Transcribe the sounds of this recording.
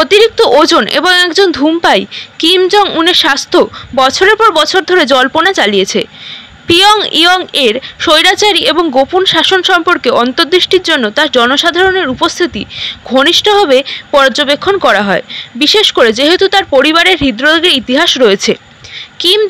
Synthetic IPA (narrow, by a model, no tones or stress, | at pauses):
ot̪iɾik̚t̪oʔod͡ʑonʔḛboŋɛkd͡ʑond̪ʱumpajkimd͡ʑɔŋuneɾʃast̪ʰobɔt͡ɕʰoɾeɾpɔɾbɔt͡ɕʰoɾd̪ʱoɾed͡ʑɔlponat͡ɕalijet͡ɕʰe | piɔŋḭɔŋeɾʃojɾat͡ɕaɾiʔeboŋɡopunʃaʃonʃɔmpoɾkeɔnt̪oɾd̪ɾiʃʈiɾd͡ʑonːot̪aɾd͡ʑɔnoʃad̪ʱaɾoneɾupost̪ʰit̪ḭɡʱoniʃʈoɦabepɔɾd͡ʑobekʰːonkɔɾaɦɔebiʃeʃkoɾed͡ʑeɦet̪ut̪aɾpoɾiβaɾeɾɦid̪ɾod̪ɡeɾit̪iɦaʃɾɔet͡ɕʰe | kim